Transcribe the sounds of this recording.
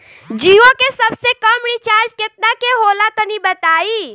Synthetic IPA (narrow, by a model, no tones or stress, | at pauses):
d͡ʒiokesəbsekəmɾit͡ʃaɾd͡ʒket̪̚nakeɦolat̪ənibət̪ai